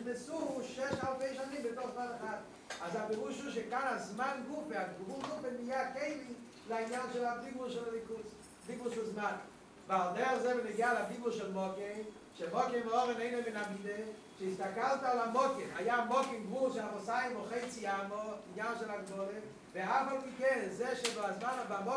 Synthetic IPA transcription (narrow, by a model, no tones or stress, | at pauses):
nɪsuʃɛʃhalˠfeɪʃanimbɪtoχzmanaχat | azapɛʁuʃuʃ̬ekanazmanɡupeaɡɡbulˠɡupenijakeɪli | lainjanʃɛlabiɡbulˠʃɛlɛlikus | biɡʊlˠʃɛlˠzman | valˠdeazɛvɪnɪɡialabibulˠʃɛlˠmɔkem | ʃemɔkemvɪɔʁeneɪnomɪnamide | ʃeistakalt̪alamɔkemajamɔkenɡvuʃɛlamosajɪmoχeɪt͡siamoinjanʃɛlaɡdɔle | veafalˠpikɛnzɛʃɛdoazmanavamɔ